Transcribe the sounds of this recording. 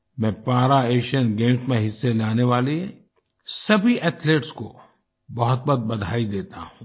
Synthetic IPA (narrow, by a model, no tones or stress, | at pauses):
mɛ̃ːpaːɾaeːʃənɡẽːmsmẽɦɪsːelaːneʋaːleɦe | sɐbʱiʔɛːt̪ʰleːʈsko̰ | bɐɦʊt̪̚bɐd̪̚bɐd̪ʱaːid̪eːt̪a̰ɦũː